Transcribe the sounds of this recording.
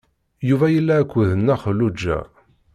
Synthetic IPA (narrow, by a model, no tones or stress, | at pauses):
juvæjəlːæːkʷːðənːəχlud͡ʒːæ̰